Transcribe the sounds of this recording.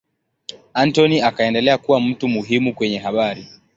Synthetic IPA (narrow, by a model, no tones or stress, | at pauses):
antɔniakaɛndɛlɛakuwam̩tumuɦimukwɛɲɛɦaɓaɾi